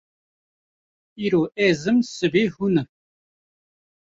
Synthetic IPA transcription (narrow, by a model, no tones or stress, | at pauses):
iɾoːʔezɨmsɨbiːhunə